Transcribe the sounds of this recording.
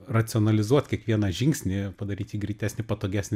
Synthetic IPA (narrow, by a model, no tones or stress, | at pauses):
rɐt͡ssʲɪɔnɐlʲɪzuɔt̪kʲiɛkʋʲiɛnɐʒʲɪŋʲksʲnʲɪpɐd̪ɐɾʲiːt̪ʲiːɡɾʲiːt̪ʲæːsʲnʲɪpɐt̪oːɡʲæːsʲnʲɪ